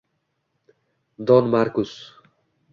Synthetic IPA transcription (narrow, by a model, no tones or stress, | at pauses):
d̪ɒnmaɾkʊs